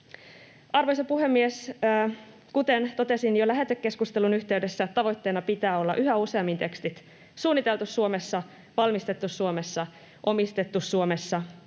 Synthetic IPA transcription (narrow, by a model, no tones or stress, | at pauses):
ɑrʋojsɑpuɦe̞mːiesː | kut̪ent̪o̞t̪e̞sinjolæɦet̪økːe̞skust̪e̞lunyçt̪e̞ydesːæet̪ːt̪ɑʋo̞jt̪ːe̞ːnɑpit̪æːo̞lːɑ̰ʔyɦæuse̞ɑmːint̪e̞kst̪it̪ | suːnːit̪e̞lt̪usːuo̞mesːɑ | ʋɑlmist̪e̞t̪ːussuo̞me̞sːɑ | ʔo̞mist̪e̞t̪ːusuome̞sːɑ